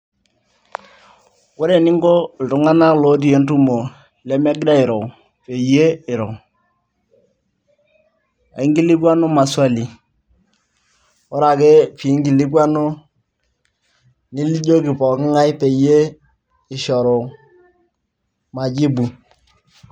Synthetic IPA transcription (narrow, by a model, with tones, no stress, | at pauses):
wʊ˦ɾe˨nɪ˦ŋɡo˦ltʊ˨ŋa˦na˦lo˨˦t̬i˦e˨n˦tu˦mo˨ | lɛ˦mɛ˦ɡda˦ɪ˨ɾɔ˨ | pe˨je˦ɪ˨ɾɔ˨ | a̰˨ɪ˦ŋɡi˦li˦kwa˦nʊ˦ma˨swa˦li˨ | wɔ˦ɾa˨ke˦pi˨˦ŋɡi˨li˦kwa˦no˦ | ni˦li˦ɟo˦ki˨pɔ˨kɪ˦ŋa˦jpe˨je˦ | ɪ˨ʃɔ˨ɾo˨ | ma˨d͡ʒi˦bu˨